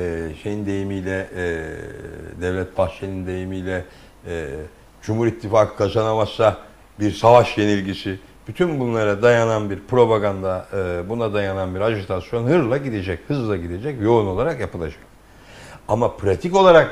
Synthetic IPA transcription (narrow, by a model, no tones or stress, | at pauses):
ɛʃejind̪e̞jimijlʲɛ | d̪ɛvlʲɛt̪̚baht͡ʃlenind̪e̞jimijlʲɛ | d͡ʒumhuɾit̪ʰːifaːkʰɯ̥kʰazanamassa | biɾsavaʃje̞nilʲɟisi | b̥yt̪ʰynbunlˠaɾad̪ajananbiɾpɾo̞baɡand̪abunad̪ajananbiɾad͡ʒut̪ʰasjo̞nhɯɾlˠaɟid̪ed͡ʒɛchɯzlˠaɟid̪e̞d͡ʒɛcjo̞uno̞lˠaɾakjapɯlˠad͡ʒak̚ | amapʰɾat̪ʰiko̞lˠaɾak